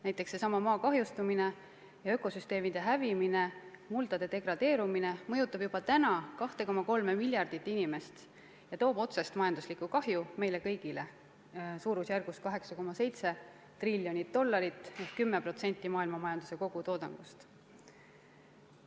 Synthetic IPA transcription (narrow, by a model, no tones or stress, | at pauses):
næjt̪ːˑe̞kse̞sɑmɑmɑːkɑɦjust̪umine̞ | jɑø̞ko̞syst̪e̞ːmid̪̥e̞ɦævimine̞mult̪ɑd̪̥e̞d̪e̞ɡrɑd̪̥e̞ːɾumine̞mɤ̞jut̪ːˑɑb̥jub̥ɑt̪ænɑkɑht̪e̞ko̞mːɑko̞lmemilʲjɑrd̪̥it̪ːˑinime̞st̪ | jɑt̪o̞ːbo̞t̪se̞st̪mɑjɑnd̪̥uslikːˑukɑɦjume̞jle̞kɤ̞jɡ̥ile | suːɾusjærɡ̥us̚kɑɦe̞ksɑko̞mːɑse̞jt̪se̞ | t̪rilʲːjo̞nʲit̪̚d̥̪o̞lːɑɾit̪ːˑehkkymːe̞pro̞t̪se̞nʲt̪ːˑimɑːilmɑmɑjɑnd̪̥use̞ko̞ɡ̥ut̪o̞ːd̪ɑ̰ŋɡ̥̪ust̪